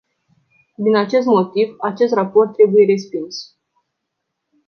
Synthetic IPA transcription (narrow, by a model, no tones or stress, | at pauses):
d̪inat͡ʃe̞st̪mo̞t̪ivat͡ʃe̞st̪rapo̞rt̪ːɾe̞buje̞ɾe̞spins